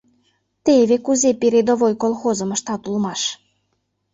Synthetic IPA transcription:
t̪eβekuzepeɾed̪oβojkolˠxozɤ̆mə̆ʃt̪ɑt̪ulmɑʃ

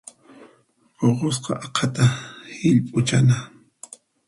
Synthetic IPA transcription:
oqos̬qɑ̰ʔɑqʰɑt̪ahɪʎpʼʊt͡ʃana

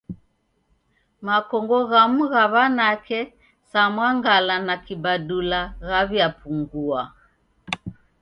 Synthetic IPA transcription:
makɔŋɡɔɣamuɣaβanakʰɛ | samwaŋɡalanakibadulaɣaβjapʰuŋɡua

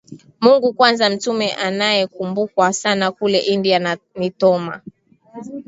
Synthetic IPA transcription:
muŋɡukwanzam̩tumɛʔanajɛkumbukwasanakulɛʔindiannitɔma̰

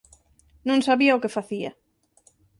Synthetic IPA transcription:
nũŋsaβiaokefaθia̰

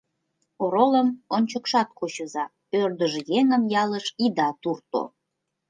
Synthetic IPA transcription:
oɾoləmonʲt͡ɕəkʃɑt̪̚kot͡ɕə̆zɑ | ørd̪əʒejeŋəmjɑləʃid̪ɑt̪urt̪o̰

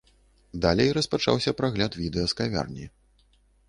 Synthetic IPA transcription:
d̪alʲɛjrɐspat͡ʂa̰wsʲɐpɾaɣlʲat̪vʲid̪ɛjɐskavʲa̰rnʲi

